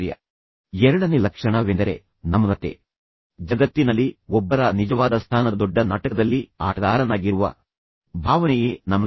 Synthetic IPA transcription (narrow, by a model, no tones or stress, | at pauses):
ɾjɐ̰ | ɛɾɐɽɐnelɐkʂɐɳɐʋend̪ɐɾe̞̰ | nɐmːɐd̪ɐt̪ːḛ | d͡ʒɐɡɐt̪ːinɐlːiɔbːɐɾɐnid͡ʒɐʋaːd̪ɐst̪ʰaːnɐd̪ɔɖːɐnɐʈɐkɐd̪ɐlːia̰ːʈɐd̪aːɾɐnaːɡiɾuʋɐ̰ | bʱaːʋɐnɛjeːnɐmːɐ